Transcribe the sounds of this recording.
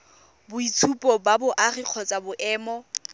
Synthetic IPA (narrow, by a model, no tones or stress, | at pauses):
bʊit͡sʰupʼɔbabʊʔariq͡χʰɔt͡sʼabʊʔɛːmɔ